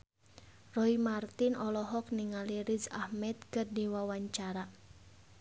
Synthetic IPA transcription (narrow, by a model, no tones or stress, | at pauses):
rɔimart̪inɔlɔɦɔk̚niŋaliɾizahmɛt̪̚kɨrdiwawaɲt͡ʃaɾa